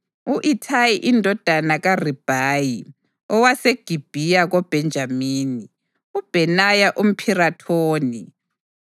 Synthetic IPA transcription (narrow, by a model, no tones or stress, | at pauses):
uʔitʰajiʔindʱɔd̥ʱanaɣarib̥ʱaːji | ɔwaseɡ̥ʱib̥ʱijaɣɔb̥ʱɛnd͡ʒʱamiːni | ub̥ʱɛnajaʔum̩pʰiratʰoːni